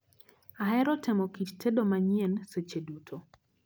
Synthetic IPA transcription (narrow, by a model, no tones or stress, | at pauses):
aɦɛɾɔtʰɛmɔkittʰedomaɲienset͡ʃedutʰo